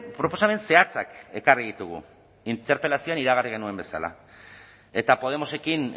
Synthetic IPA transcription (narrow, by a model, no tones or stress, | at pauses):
pɾo̞po̞same̞nse̞at͡sake̞kariðit̪uɣṵ | int̪e̞ɾpe̞lasio̞aniɾaɣ̞ariɣ̞e̞nue̞mbe̞sa̰la̰ | e̞t̪apo̞ð̞e̞mo̞se̞kin